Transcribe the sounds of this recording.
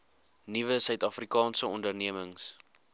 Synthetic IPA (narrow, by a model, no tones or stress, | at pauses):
nivəsœɥtɐfrikɑːnsəɔndərniəməŋs